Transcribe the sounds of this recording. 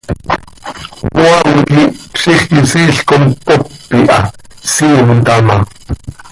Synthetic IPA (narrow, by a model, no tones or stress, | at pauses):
wɑŋkipsiχkisiːɬkompopːiʔɑ̰siːmt̪ɑmɑ